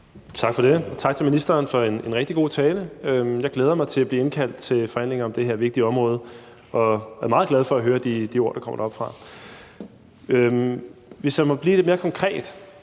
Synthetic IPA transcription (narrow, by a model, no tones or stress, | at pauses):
t͡sʰɑ̈ɡ̥fɒ̽ɾ̥e̝t͡sʰɑ̈ɡ̥̚t͡sʰe̝minisd̥ɐːnfɒ̽e̝ne̝nʁɛɡ̥̚d̥iɡ̥o̝̰ːt͡sʰɛːləømjɑ̈ɪɡleːð̞ˠɐmɑ̈ɪt͡sʰe̝læb̥liːe̝nkʰæl̰d̥̚t͡sʰe̝lfɒ̽hæn̰le̝ŋɐɒ̽md̥eɦeɐ̰ʋe̝ɡ̥̚d̥iɒ̽mʁɔ̽ːð̞ˠ | ʔɒ̽æɐmɑ̈ːð̞̩ˠɡlæð̞ˠfɒ̽æɦøːɐd̥id̥io̝ɐ̰ɾ̥ɑkʰɒ̽m̰ɐd̥ɑ̈ɒ̽b̥fʁɑ̈ | ømʋe̝sjæmɒ̽b̥liːd̥e̝̥me̝ːɐkʰɒ̽ŋkʰʁɛ̰ːd̥